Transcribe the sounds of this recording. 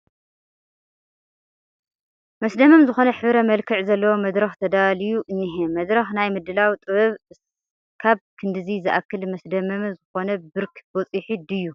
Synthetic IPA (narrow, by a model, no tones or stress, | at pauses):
mɐsd̪ɐmɐmzɨxo̞nɐħɨβɾɐmɐlkʰɨʕzɐlːɐwomɐd̪ɾɐxt̪ʰɐd̪alijuʔɨnːiɦemɐd̪ɾɐxnajmɨd̪ɨlawit̪ʼɨβɐβ | kʰaβkʰɨnd̪ɨzizɨʔakʰːɨlmɐsd̪ɐmɐmzɨxo̞nɐbɨɾkbot͡sʼiħid̪ɨjːu